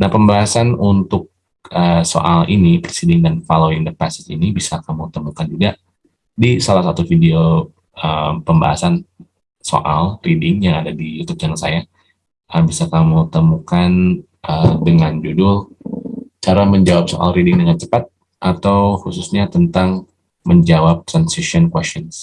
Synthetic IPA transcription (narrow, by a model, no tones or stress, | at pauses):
nahpəmbaɦasanunt̪ʊk̚ | əso̰ʔalḭnipəɾsidɪŋdanfaloindəpasɪ̥tinibisakamut̪əmukant̪idaʔ | disalahsat̪ufideo | əmpəmba̰ɦa̰san | so̰ʔalridɪŋjaŋadadijut̪ʊp̚t͡ʃanasaja | ʔəmbisakamut̪əmukan | ʔədəŋand͡ʒudʊl | t͡ʃaɾaməɲd͡ʒawap̚so̰ʔa̰lɾidɪŋdəŋant͡ʃə̥pat̪̚ | ʔat̪awhususɲat̪ənt̪aŋ | məɲd͡ʒawap̚t̪ɾansiʃɔnkwɛstɔns